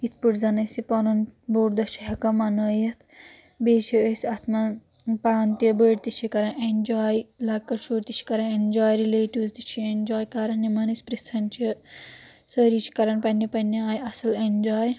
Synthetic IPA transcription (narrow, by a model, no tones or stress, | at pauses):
it̪ʰpɨʈzɐnɐsipɐnunboːɾd̪ɐt͡ʃʰiɦɐkɐmɐnɐjɐt̪ʰ | beːt͡ʃʰiəsʲɐt̪ʰmɐpaːnt̪iɐbəːɽt̪it͡ʃʰikɐɾɐnʔend͡ʒaːjlɐkːɐt͡ʃuːɾt̪it͡ʃʰi̥kɐɾɐnend͡ʒaːjɾileːʈiʋzt̪it͡ʃʰiend͡ʒaːjkɐɾɐnːimɐnɐsʲpɾesɐnt͡ʃiɐ | sɐɾit͡ʃʰi̥kɐɾɐnpɐnːipɐnːiaːjɐsɐlend͡ʒaːj